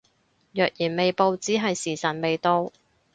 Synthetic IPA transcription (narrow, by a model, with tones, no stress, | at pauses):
jœː˨k̚jiː˨˩nme˨jpo˨˧wt͡siː˨˥ɦɐ˨jsiː˨˩sɐ˨˩n̚me˨jt̪o˧w